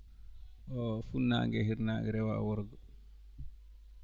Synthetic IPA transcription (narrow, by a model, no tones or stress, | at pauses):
ʔɔfunːa̰ŋɡɛɦiɾnaŋɡɛɾɛwa̰wɔɾɡɔ